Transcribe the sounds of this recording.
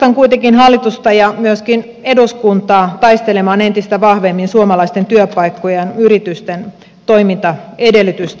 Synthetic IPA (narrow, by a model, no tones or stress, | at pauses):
ɑŋkuit̪eŋkinɦɑlːit̪ust̪ɑjɑmyøskin | eduskunt̪ɑːt̪ɑist̪elemɑːne̞nt̪ist̪æʋɑhʋemːinsuomɑlɑist̪ent̪yøpɑikːojenyɾit̪yst̪en | t̪oimint̪ɑedelːˑyt̪yst̪